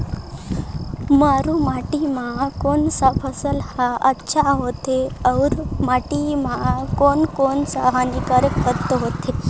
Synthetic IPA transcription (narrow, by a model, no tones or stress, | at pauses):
maɾumaʈimakonsafʰəsəlhaʔətːɕʰaɦot̪eəwɾmaʈimakonkonsaɦanikaɾəkpət̪əɦot̪ʰe